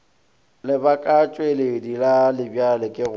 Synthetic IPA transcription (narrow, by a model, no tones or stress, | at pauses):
lɪbakʼat͡ʃʼweledilalɪbjalɪkʼɪɣʊ